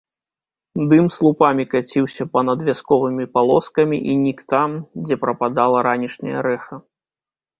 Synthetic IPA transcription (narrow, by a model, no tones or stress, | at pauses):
d̪ɨmslˠupamʲikat͡sʲiwsʲɐpɐnɐd̪vʲaskɔvɨmʲipalˠɔskɐmʲiʔinʲikt̪amd͡zʲɛpɾɐpad̪alˠɐɾanʲiʂnʲɐ̰jɐ̰ɾɛxɐ